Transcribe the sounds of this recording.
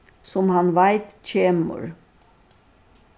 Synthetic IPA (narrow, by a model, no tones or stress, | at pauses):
sɔmhanʋaɪt̪c͡çʰeːmə̰ɾ